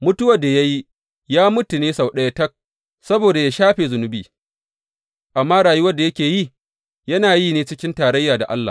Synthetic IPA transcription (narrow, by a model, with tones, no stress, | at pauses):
mʊ˦tʊ˦wɐ˨da˨ja˦ji˦ | jaː˦mʊ˦tu˨neː˦sa˨wɗɐ˦ja˦tɐ˦k̚ | sɐ˦boː˨da˨ja˦ʃaː˦ɸeː˨zʊ˨nʊ˦bḭː˨ | ʔa˨mːaː˦ɽaː˨ju˦wɐ˦rda˨jɐ˦kʲeː˨ji˦˨ | jɐ˦naː˨jiː˦˨neː˦t͡ʃɪ˦kʲɪ˦ntaː˨ɾɐ˦jːaː˨da̰˨ʔa̰˦lːa̰˨